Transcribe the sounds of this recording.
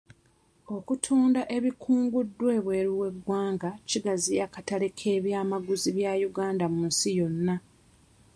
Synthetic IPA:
o̞kutʰuːndaʔe̞βikʰuːŋɡudːwe̞ːβweːɾiwe̞ɡwaːŋɡaciɡazijakatale̞kʰe̞ːβjaːmaɡuziβjajuɡaːndamunsijo̞nːa

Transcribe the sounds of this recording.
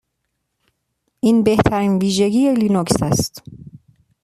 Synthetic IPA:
ʔiːnbe̞ht̪ʰæɾiːnviːʒeɟiːjelinoksæst̪

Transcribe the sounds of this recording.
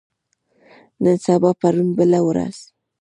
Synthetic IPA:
nənsabapaɾunbəlawɾa̰z̥

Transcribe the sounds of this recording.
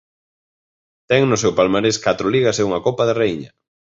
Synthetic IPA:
t̪ɛŋnʊsɛwpalmaɾeskat̪ɾoliɣ̞aseuŋakopaðereiɲɐ

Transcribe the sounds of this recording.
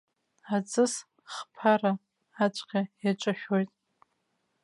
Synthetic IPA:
at͡sʼɨs | χpʰaraː | t͡ʃʷʼqʲʼajat͡ʃʷʼaʃᶣojtʼ

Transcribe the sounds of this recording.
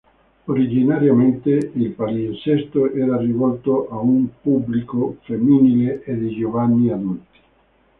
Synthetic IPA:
oɾid͡ʒinaɾjament̪eilpaɾisɛst̪oʔɛːɾarivɔlt̪oʔaumpublikofemːinileʔed̪id͡ʒovanːiad̪ult̪i̥

